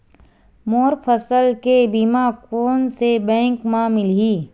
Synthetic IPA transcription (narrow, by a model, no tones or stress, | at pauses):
moːɾpʰəsəlkebimakoːnsebɛ̃ːŋkmãmɪlɦiː